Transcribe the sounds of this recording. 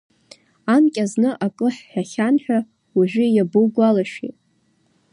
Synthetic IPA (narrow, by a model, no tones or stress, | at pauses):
amkʲʼaznɨʔakʼɨħːᶣaχʲanħᶣa | uʒᶣʊjabuɡʷalaʃḛtʼ